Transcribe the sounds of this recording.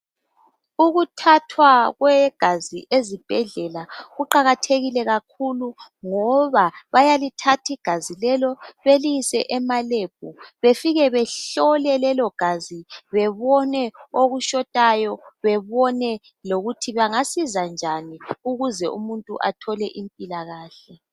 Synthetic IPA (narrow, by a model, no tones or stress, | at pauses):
uɣutʰatʰwaɣwɛɡ̥ʱazḭʔezib̥ʱɛɮɛlaɣuǃaɣatʰeɣilɛɣakʰuluŋɔβaβajalitʰatʰiɡ̥ʱazilɛlɔβelisɛ̰ʔɛmaleb̥̚ʱuβefiɣɛβɛɬɔlɛlɛlɔɡ̥ʱaziβɛβɔnɛoɣuʃɔtʼajɔβɛβɔnɛ | loɣutʰiβaŋasizand͡ʒʱaniuɣuzɛʔumuntʼṵʔa̰tʰɔlɛʔimpʼilaɣaːɬɛ